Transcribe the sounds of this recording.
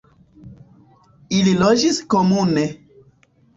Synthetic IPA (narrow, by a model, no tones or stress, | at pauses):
ililod͡ʒiskomune